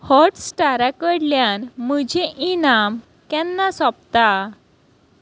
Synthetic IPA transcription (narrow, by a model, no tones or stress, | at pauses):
hɔʈsʈaɾakəɽljanm̤əd͡ʑʱeʔinam | kjɛnːasɔp̚t̪a